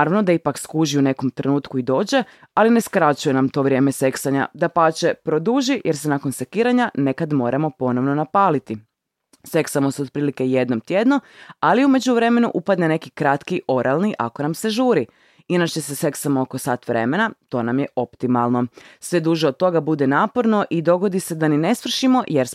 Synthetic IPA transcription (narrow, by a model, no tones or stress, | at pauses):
aɾaʋno̞d̪aipakskuʒiune̞ko̞mt̪ɾenuːt̪kuid̪o̞ːd͡ʑe̞ | aline̞skɾat͡ɕuje̞namt̪o̞ːʋɾʲje̞ːme̞se̞ksaɲa̰d̪apaːt͡ɕe̞pɾo̞d̪uːʒijʔeɾsenakonse̞kiːɾaɲane̞kad̪mo̞ːɾʔamo̞po̞no̞ʋno̞napaːlit̪i | se̞ksamo̞seod̪̚pɾiːlike̞je̞d̪no̞mt̪jed̪no̞aliume̞d͡ʑuʋɾe̞me̞nṵʔupad̪nene̞kikɾat̪kiʔo̞ɾʔalˠniʔa̰ko̞namse̞ʒuːɾi | inat͡ɕe̞se̞se̞ksamooko̞saːt̪ʋɾe̞̰me̞nat̪o̞ːnamjeʔo̞pt̪imalˠno̞sʋe̞d̪uːʒeod̪̚t̪o̞ɡabud̪e̞naːpo̞ɾno̞ʔid̪o̞ɡo̞d̪ise̞d̪anine̞sʋr̩ʃimo̞jeɾ